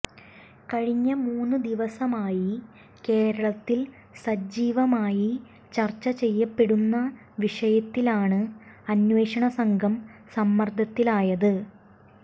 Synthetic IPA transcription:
kɐɻiɲːɐmuːnːɨd̪iʋɐsɐmaːji | ke̞ːɾɐɭɐt̪ːil | sɐd͡ʑiːʋɐmaːji | t͡ɕɐrt͡ɕːɐt͡ɕe̞jːɐpːe̞ɽunːɐ | ʋiʂɐjɐt̪ːilaːɳɨɐnwe̞ːʂɐɳɐsɐŋɡʱɐmsɐmːɐrd̪ʱɐt̪ːilaːjɐðɨ

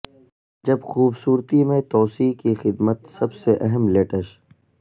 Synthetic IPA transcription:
d͡ʒɐbxuːbsuːɾt̪imẽt̪ɔːsiːkixɪd̪mət̪sɐbseʔɐɦəmleːʈəʃ

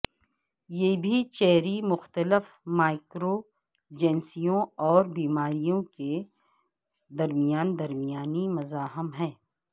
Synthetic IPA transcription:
jebʱit͡ʃɛɦɾimʊxt̪əlɪf | maːɪkɾo | d͡ʒɛ̃ːnsijõɔːɾbiːmaːɾijõke | d̪ɐɾmijaːnd̪ɐɾmijaːnimɐzaːɦɪmɦɛ̃ː

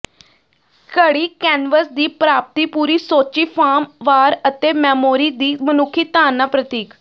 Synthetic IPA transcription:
kəɽiːkɛːnʋəsd̪iːpɾaːp̚t̪iːpuːɾiːsoːt͡ʃiːpʰaːmʋaːɾət̪eːmɛːmoːɾiːd̪iːmənʊkʰːiːt̪aːnːaːpɾət̪iːk

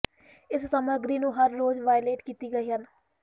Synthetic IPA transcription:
ɪssəməɾɡɾiːnũːɦəɾːoːzʋaːjleːʈkiːt̪iːɡəiːɦən

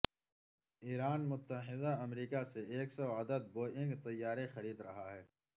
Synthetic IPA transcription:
iːɾaːnmʊt̪ːəɦɪd̪aɐmɾiːkaseeːksɔaːd̪əd̪̚boːɪ̃ŋɡt̪ɐjːaːɾexɐɾiːd̪ɾɐɦaɦɛː

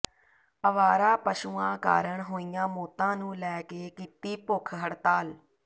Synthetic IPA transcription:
əʋaːɾaːpəʃuːãːka̰ːɾəɳɦoːijãːmoːt̪ãːnũːlɛːkeːkiːt̪iːpʊkʰɦəɽt̪aːl

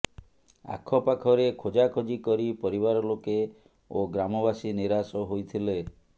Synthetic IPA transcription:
a̰kʰːɔpakʰɔɾekʰod͡ʒakʰod͡ʒikɔɾipɔɾibaɾɔloke | oɡɾamɔbasiniɾasɔɦojt̪ʰile

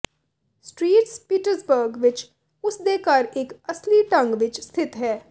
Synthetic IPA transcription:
sʈɾiːʈspiːʈəɾsbəɾɡʋɪt͡ʃ | ʊsd̪eːkɐɾeːkəsliʈə̃ŋɡʋɪt͡ʃst̪ʰɪt̪ɦɛː

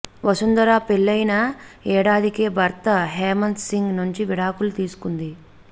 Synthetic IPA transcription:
ʋɐsund̪ɐɾaːpelːɐjnɐɛːɽaːd̪ʱikeːbʱɐɾt̪ɐɦeːmɐnsiŋɡnuɲt͡ʃiʋiɽaːkulut̪iːsu̥kund̪i

